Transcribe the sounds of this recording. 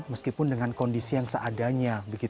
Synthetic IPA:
məskipʊndəŋankondisijaŋsəʔadaɲabəɡi

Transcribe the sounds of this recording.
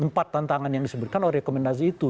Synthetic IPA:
əmpat̪ːant̪aŋanjaŋdisəbʊt̪̚kanoɾɛehkomɛndas̬iːt̪u

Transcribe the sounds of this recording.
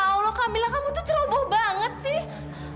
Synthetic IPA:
awlɔkamilakamut̪ut̪əɾobɔhbaŋət̪̚sɪh

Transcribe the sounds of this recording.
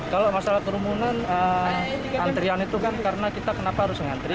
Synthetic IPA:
kalomasalahkəɾumunanə | ant̪ɾianit̪ukankaɾənakit̪akənapaɦaɾʊsəŋant̪ɾi

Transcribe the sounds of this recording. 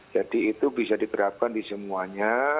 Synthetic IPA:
d͡ʒadiːt̪ubisadit̪əɾap̚kandisəmuaɲa

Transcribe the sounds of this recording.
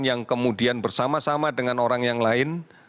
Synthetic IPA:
njaŋkəmudianbərsamasamadəŋanoɾaŋjaŋlaɪn

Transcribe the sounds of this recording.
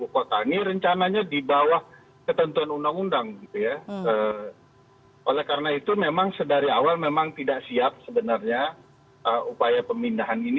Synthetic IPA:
bukot̪aŋiɾəɲt͡ʃanaɲadibawah | kət̪ənt̪uanundaŋundaŋɡit̪ujaə | ʔolɛhkaɾənait̪umemaŋsədaɾiawalmemaŋt̪idaʔsiap̚səbənarɲa | ʔəupajapəmindaɦanini

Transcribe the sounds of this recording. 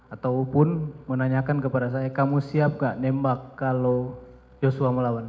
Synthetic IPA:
at̪awpʊnmənaɲakankəpadas̬ajakamusiap̚ŋɡaʔnɛmbakːalo | josuaməlawan

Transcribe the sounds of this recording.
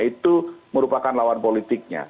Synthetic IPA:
it̪uməɾupakanlawanpolit̪ɪk̚ɲa̰

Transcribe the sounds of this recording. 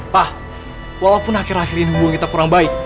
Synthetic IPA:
pah | walawpʊnakiɾahiɾinɦubuŋkit̪akuɾaŋbaɪk̚

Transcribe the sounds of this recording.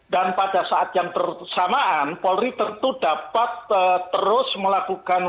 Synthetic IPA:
danpadasaʔat̪jaŋt̪ərsamaʔanpɔlɾit̪ənt̪udapat̪̚əːəɾʊsməlakukan

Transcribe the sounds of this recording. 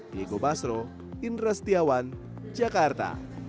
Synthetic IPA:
jeɡobasɾo | inrɛst̪iawan | d͡ʒakart̪a̰

